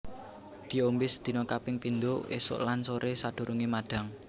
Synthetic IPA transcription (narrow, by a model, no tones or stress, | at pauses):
d̪̥i̤ombɪsd̪̥i̤nɔkapɪŋpind̪ʊʔḛsʊ̰ʔlansoɾʔesad̪̥o̤ɾʔuŋimaɖ̥a̤ŋ